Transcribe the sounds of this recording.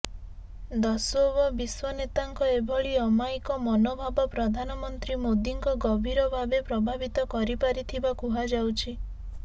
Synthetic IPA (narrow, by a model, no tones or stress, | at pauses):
d̪ɔsobɔbiswɔnet̪aŋkɔebʱɔɭiɔmajkɔmɔnobʱabɔpɾɔd̪ʱanɔmɔnt̪ɾimod̪iŋkɔɡɔbʱiɾɔbʱabepɾɔbʱabit̪ɔkɔɾipaɾit̪ʰibakuɦad͡ʒawt͡ʃʰi